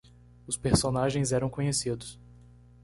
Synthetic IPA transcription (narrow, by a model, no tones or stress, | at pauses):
ʊspeɾsonaʒẽj̃zɛɾɐ̃w̃kõɲesid̪ʊs